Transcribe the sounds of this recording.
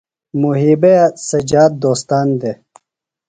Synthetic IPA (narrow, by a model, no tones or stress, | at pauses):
muɦibeasɐd͡ʑaːd̪̚d̪oːst̪aːnd̪e